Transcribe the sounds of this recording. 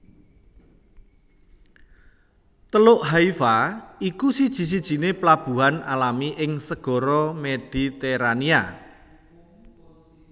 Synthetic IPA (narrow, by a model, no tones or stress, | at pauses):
t̪əlʊʔɦaifaikusid̥ʒ̥i̤s̬id̥ʒ̥i̤neplab̥ṳɦanalamiʔɪŋsəɡ̥ɔ̤ɾɔmed̥i̤t̪ɛɾania